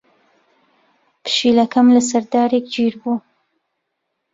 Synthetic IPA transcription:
pɨ̥ʃilɐkɐmlas̬ɐɾd̪aːɾekd͡ʒiɾbu

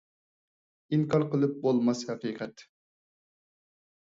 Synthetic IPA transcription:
iŋkʰɑɾqəlˠɨp̚bolˠmɑshɛqiːqʰɛt̪

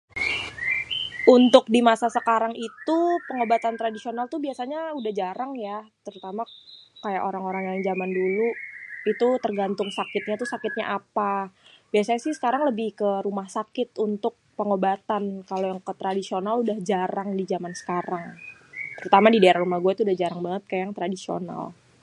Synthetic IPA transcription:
unt̪ʊk̚dimasasəkaɾaŋit̪upəŋobat̪ant̪ɾadisionalt̪ubiasaɲaudahd͡ʒaɾaŋjat̪əɾut̪amakaja̰ʔoɾaŋoɾaŋjaŋd͡ʒamanduluit̪ut̪ərɡant̪ʊŋsakɪt̪̚ɲat̪usakɪt̪̚ɲa̰ʔapab̥iasaɲasɪhsə̥kaɾaŋləbɪhkəɾumahsakɪt̪unt̪ʊk̚pəŋobat̪ankalojaŋkət̪ɾadisionaludahd͡ʒaɾaŋdid͡ʒamansə̥kaɾaŋt̪əɾut̪amadidaeɾaɾumahɡuait̪uːdahd͡ʒaɾaŋbaŋət̪̚kajajaŋt̪ɾadisio̰na̰l

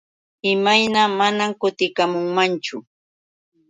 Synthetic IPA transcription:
ɪmajnamanamkʊt̪ɪkamʊŋmant͡ʃʊ

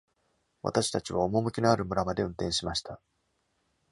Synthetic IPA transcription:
βa̰t̪aɕi̥t̪at͡ɕiβaomo̞mɯ̟kʲino̞aɾɯ̟mɯ̟ɾamad̪e̞ɯ̃nt̪ẽ̞ɕimaɕi̥t̪ʰa

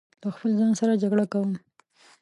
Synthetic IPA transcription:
laxpəlzɑnsaɾad͡ʒaɡɽakawəm

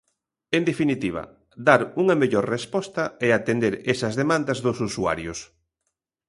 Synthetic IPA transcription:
end̪efinit̪iβ̞ɐ̰ | d̪aɾuŋɐmeʎoɾrespɔst̪ɐɛat̪end̪eɾesɐzðemãnd̪ɐzðʊsusua̰ɾjʊs

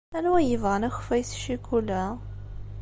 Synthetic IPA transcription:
ænwæjəvʁənæxfæjsʃikulæ

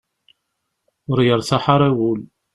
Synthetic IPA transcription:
ʊɾjəɾˤθaħaɾˤæwul

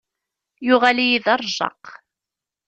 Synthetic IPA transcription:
jʊʁalijiðɑrˤʒˤɑ̰q

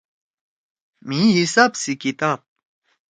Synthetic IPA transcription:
miɦisapsikit̪ap̚

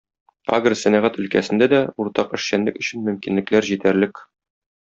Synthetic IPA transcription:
a̰ɡrɤsænæʁæt̪ɵ̆lkæsɘ̆nd̪æd̪æuɾt̪ɑqɘ̆ʃɕænlɘkɵ̆ɕɘnmɵ̆mkinlɘ̆klæɾʑit̪æɾlɘk

